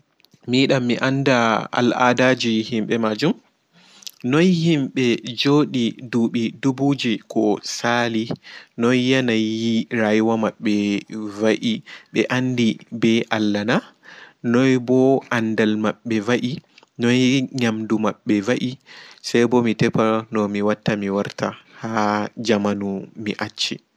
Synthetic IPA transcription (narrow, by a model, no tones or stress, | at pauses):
miɗamːiʔandaa̰lʔa̰dad͡ʒihimɓɛmad͡ʒum | nɔjhimɓɛd͡ʒoɗiduɓidubud͡ʒikɔsalinɔjːanajjiɾajwamaɓːɛvaʔiɓɛʔandibɛʔalːana | nɔjbɔʔandalmaɓːɛvaʔi | nɔjɲamdumaɓːɛvaʔisajbɔmitɛpanɔmiwatːamiwaɾta̰had͡ʒamanumiʔat͡ʃːi